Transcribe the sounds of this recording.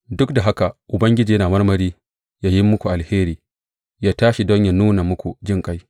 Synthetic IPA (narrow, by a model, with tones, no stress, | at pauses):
dʊ˦kda˨ɦa˦ka˨ʔʊ˨bɐ˦ŋɡʲɪ˦d͡ʒiː˨jɐ˦naː˨mɐ˦rmɐ˨ɾiː˦ | jaː˦jɪ˦mːʊ˦kʷu˨ʔa˨lheː˦ɾiː˨ | jaː˦taː˦ʃi˨dɔ˦ɲja˨nuː˦na˨mʊ˦kʷu˨d͡ʒɪ˦˨ŋkʼa˦j